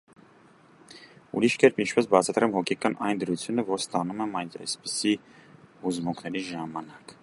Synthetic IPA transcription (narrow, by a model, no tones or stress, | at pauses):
ṵɾiʃkɛɾpint͡ʃʰpɛsbɑt͡sʰɑt̪ɾɛmɦɔkʰɛkɑnʔɑjnd̪əɾut͡sʰjunəvɔɾst̪ɑnumɛmɑjnɛ̰jspi̥si | huzmuŋkʰnɛɾiʒɑmɑnɑk